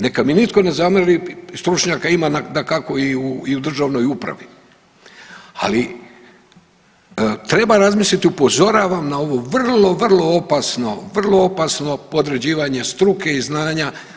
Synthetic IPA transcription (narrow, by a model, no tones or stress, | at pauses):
ne̞kaminit̪ko̞ne̞zamrɾist̪ɾut͡ʃɲakaimananakako̞iuiud̪r̩ʒaʋno̞jupɾa̰ʋi | a̰li | t̪ɾe̞baɾazmislit̪iupo̞zo̞ɾaʋamnao̞ʋo̞ʋr̩lo̞ʋr̩lˠo̞opasno̞ʋr̩lˠo̞o̞pasno̞po̞d̪ɾe̞d͡ʑiːʋaɲe̞st̪ɾuke̞iznaːɲa